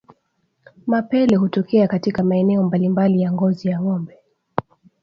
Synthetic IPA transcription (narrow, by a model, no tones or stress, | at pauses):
mapɛlɛhutɔkɛakatikamaɛnɛɔmbalimbalijaŋɡɔzijaŋɔmbɛ